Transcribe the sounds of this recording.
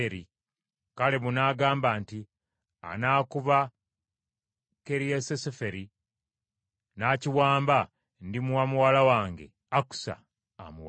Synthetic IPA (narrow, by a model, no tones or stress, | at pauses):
eɾi | kale̞βunaːɡaːmbaːnti | a̰naːkuβa | ke̞ɾiesesefe̞ɾi | naːciwaːmba | ndimuwamuwaːlawaːŋɡe̞̰ | aku̥sa̰ː | muwa